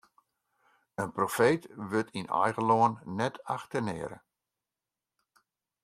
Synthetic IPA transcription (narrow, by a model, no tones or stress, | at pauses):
ənprofeːtʋøtʰinɔ̰jɣəlɔənːɛtʰaxtənɪ̰ːɾə̰